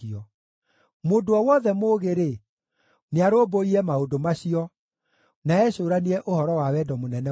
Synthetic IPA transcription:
iɔ | moːdoɔwɔðɛmoːɣeɾe | neaɾoːboiɾɛmaodomaɕiɔ | naɛɕoːɾaniɾɛʔohɔɾɔwawɛdɔmonɛnɛ

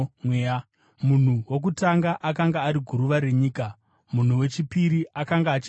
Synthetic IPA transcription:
ea | mun̤uwo̞k̬utaŋɡaʔakaŋɡaːɾiɡʱuɾuʋaɾe̞ɲiːka | mun̤uwe̞t͡ʃipiɾiʔakaŋɡaːt͡ʃi

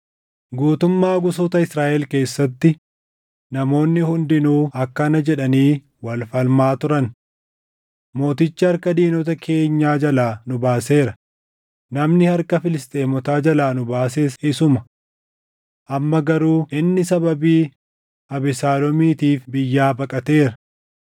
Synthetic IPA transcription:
ɡuːt̪ʊmːaːɡʊsoːt̪ɐɪsɾaːʔɛlke̞ːsːɐt̪ːɪ | nɐmo̞ːnːɪhʊnd̪ɪnuːʔɐkːɐnɐd͡ʒɛᶑɐniː | wɐlfɐlmaːt̪ʊɾɐn | mo̞ːt̪ɪt͡ʃːɐɐɾkɐd̪iːnɔt̪ɐkʰe̞ːɲːaːd͡ʒɐlaːnʊbaːse̞ːɾɐ | nɐmnɪhɐɾkɐfɪlɪst̪ʼe̞ːmɔt̪aːd͡ʒɐlaːnʊbaːs̬eːsɪsʊmɐ | ʔɐmːɐɡɐɾuːɪnːɪsɐbɐbiː | ɐbɪsaːlɔmiːt̪iːfbɪjːaːbɐkʼɐt̪e̞ːɾɐ

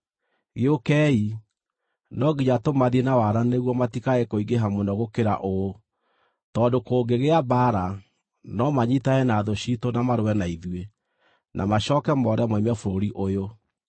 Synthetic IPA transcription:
ɣeokɛːi | nɔɡiɲatomaðienawaɾaneɣwɔmatikaɛkoiɡeɦamonɔɣokeɾaʔo | tɔndokoːɡeɣeabaːɾa | nɔmaɲitaɛnaðoɕitonamaɾowɛnaiðwe | nʔa̰maɕɔkɛmɔɾɛmɔimɛfoɾoɾiʔojo

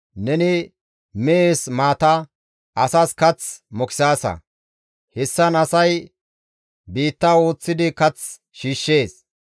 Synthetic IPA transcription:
nɛnɪ | mɛesmaːt̪ɐ | ʔɐsɐskɐt͡smɔkɪ̥saːsɐ̰ | hɛsːɐnɐsɐj | biːt̪ːaːwo̞ːt͡sːɪd̪ɪkɐt͡s | ʃiːʃːe̞ːs

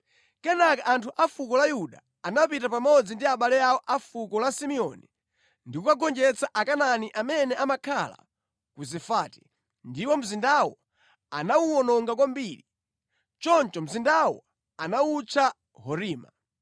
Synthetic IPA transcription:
kɛnakaʔantʰuʔafukɔlajuɗa | anapitapamɔd͡zindiaɓalɛawɔʔafukɔlasimiɔni | ndikukaɡɔnd͡ʒɛt͡saʔakananiʔamɛnɛamakʰala̰ | kuzɛfaːti̥ | ndiwɔm̩zindawɔ | anawuwɔnɔŋɡakwambiːɾi | t͡ʃɔnt͡ʃɔm̩zindawɔ̰ | anawut͡ʃʰa | hɔɾiːma

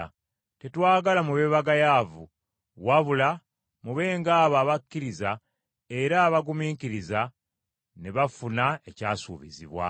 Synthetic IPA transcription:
tetwaːɡalamuβe̞ːβaɡajavṵ | waβula | muβe̞ːŋɡaːβaːβakːiɾiza | e̞ɾaːβaɡumiːŋkiɾiza | neβafunae̞caːsṵːβiziβwa̰

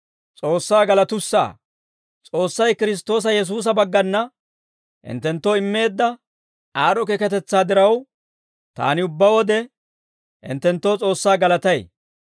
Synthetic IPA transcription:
t͡sʼo̞ːsːaːɡɐlɐt̪ʊsːa̰ː | t͡sʼo̞ːsːɐjkɪɾɪs̬t̪o̞ːs̬ɐjɛs̬uːs̬ɐbɐɡːɐnːɐ | ʔɪ̰nt̪ːɛnt̪ːoːɪmːe̞ːd̪ːɐ | aːɾɔkekɛt̪ɛt͡sːaːd̪ɪɾɐw | t̪a̰ːnɪʊbːɐwɔd̪ɛ | ʔɪ̰nt̪ːɛnt̪ːoːt͡sʼo̞ːsːaːɡɐlɐt̪ɐj

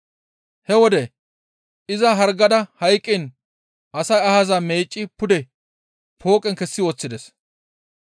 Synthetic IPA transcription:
hɛwɔd̪ɛ | ʔɪzɐɦɐɾɡɐd̪ɐhɐjkʼːɪn | ʔɐsɐjɐhazɐmeːt͡ʃʼːɪpʊd̪ɛ | pʰo̞ːkʼɛŋkɛsːɪwɔt͡sːɪd̪ɛs

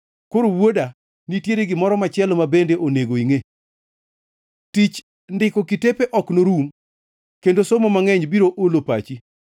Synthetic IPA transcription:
koɾowwoda | nitjeɾeɡɪmɔɾɔmat͡ʃɪɛlmabendeʔoneɡoiŋe | tit͡ʃ | ndɪkɔkitepeʔɔknoɾum | kendosomomaŋɛɲbiɾoʔolopat͡ʃi

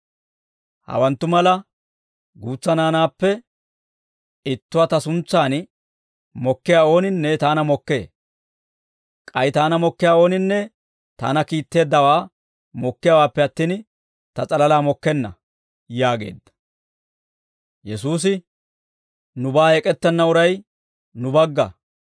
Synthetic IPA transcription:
hɐ̰wɐnt̪ːʊmɐlɐ | ɡuːt͡sːɐnaːnaːpːɛ | ɪt̪ːʊwɐt̪ɐsʊnt͡sːaːn | mɔkːɪjaːo̞ːnɪnːɛt̪aːnɐmɔkːe̞ː | kʼɐjt̪aːnɐmɔkːɪjaːo̞ːnɪnːɛ | t̪a̰ːnɐkiːt̪ːe̞ːd̪ːɐwaː | mɔkːɪjawaːpːɛɐt̪ːiːn | t̪ɐt͡sʼɐlɐlaːmɔkːɛnːɐ | jaːɡe̞̰ːd̪ːɐ̥ | jɛsuːs̬ɪ | nʊbaːɛkʼɛt̪ːɛnːɐʊɾɐj | nʊbɐɡːɐ

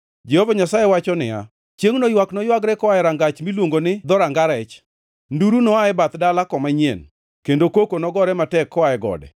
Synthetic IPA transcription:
d͡ʒɛhovaɲasajewat͡ʃɔnɪa̰ | t͡ʃjeŋnɔjwaknɔjwaɡɾɛkɔaɛɾaŋɡat͡ʃmilwoŋɡonɪd̪ɔɾaŋɡaɾɛt͡ʃ | nduɾunɔaɛbat̪dalakɔmaɲḛn | kendokokonɔɡɔɾɛmatɛkːɔaɛɡɔ̰dɛ̰

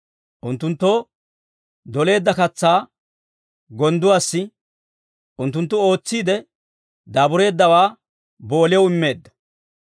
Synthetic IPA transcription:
ʔʊnt̪ːʊnt̪ːo̞ː | d̪ɔle̞ːd̪ːɐkɐt͡sːaː | ɡɔnd̪ʊwaːsːɪ | ʔʊnt̪̬ːʊnt̪ːʊo̞ːt͡sːiːd̪ɛ | d̪aːbʊɾe̞ːd̪ːɐwaː | bo̞ːlɪjɐwɪmːe̞ːd̪ːɐ̥

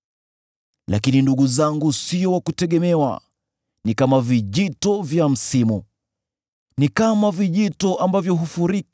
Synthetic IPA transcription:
la̰kininduɠuzaŋɡusijɔwakutɛɠɛmɛwa̰ | nikamaviʄitɔvjam̩simu | nikamaviʄitɔʔambavjɔɦufuɾik

